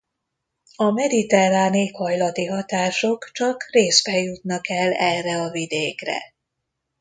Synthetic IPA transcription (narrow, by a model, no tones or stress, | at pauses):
ɒmɛd̪it̪ɛraːneːkhɒjlɒt̪iɦɒt̪aːʃokt͡ʃɒkreːsbɛjut̪nɒkɛlːɛrɛɒvid̪eːkrɛ̰